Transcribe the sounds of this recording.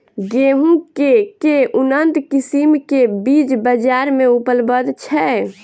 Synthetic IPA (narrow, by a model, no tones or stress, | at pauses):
ɡeɦũkekeʔunənt̪kisimkebid͡ʒbəd͡ʒaɾmeupəlbəd̪t͡ʃʰɛ